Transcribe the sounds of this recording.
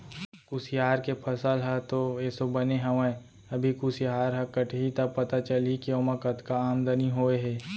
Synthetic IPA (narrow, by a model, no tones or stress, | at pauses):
kusijaːɾkepʰɐsəlɦɛt̪oɛːsobɐneɦɐʋə̃ | ɐbʱikusijaːɾɦɛ̃kəʈʰɦit̪ɐpɐt̪at͡ʃəlikioːmɐkət̪kaaːmd̪əniɦoːeɦɛː